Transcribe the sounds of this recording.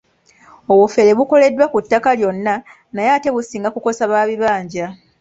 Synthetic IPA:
oβufe̞ɾe̞βuko̞le̞dːwakutːakaljo̞nːa | najaːte̞βusiːŋɡakuko̞saβaːβiβaːɲɟa

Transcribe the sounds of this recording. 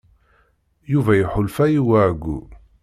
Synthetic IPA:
juvæjħʊlfæjiwæɡṵ

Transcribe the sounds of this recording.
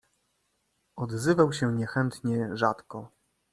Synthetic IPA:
ɔd̪zɘvawɕɛɲɛxɛnt̪ɲɛʐat̪kɔ

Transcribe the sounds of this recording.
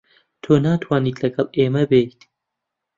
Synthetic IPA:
t̪ʰoːnaːt̪ʰwaːniːt̪lɐɡɐlˠʔeːmɐbejt̪

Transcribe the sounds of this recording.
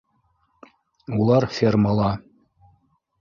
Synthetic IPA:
ulˠɑɾfʲermɑlˠɑ

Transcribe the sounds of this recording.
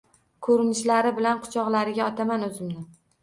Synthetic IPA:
kʰɵɾɪnɪʃlaɾɪbɪlanqʰʊ̥t͡ʃʰɒʁlaɾɪɡʲaɒt̪ʰamanɵzɪmnɪ

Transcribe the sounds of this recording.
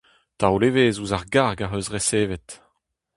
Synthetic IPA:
t̪awleːveːzuzaʁɡaʁɡaɦøzʁeseːvet

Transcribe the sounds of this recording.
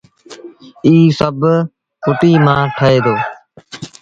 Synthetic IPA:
iːsəb | pʰʊʈiːmãːʈʰəeːd̪oː

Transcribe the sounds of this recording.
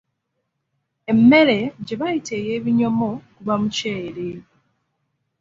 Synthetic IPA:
emːe̞ɾe̞ɟeβaiteːje̞ːβiɲo̞mokuβamuceɾe

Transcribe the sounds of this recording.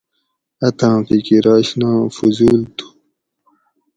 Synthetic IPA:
ɐt̪ʰãːpikiɾaːɕnãːfuzuːlt̪ʰu̥

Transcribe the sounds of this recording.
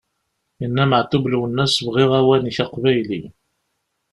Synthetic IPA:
jənːæməʕt̪ːubluwənːæsəvʁiʁæwæniçɑqvæjli

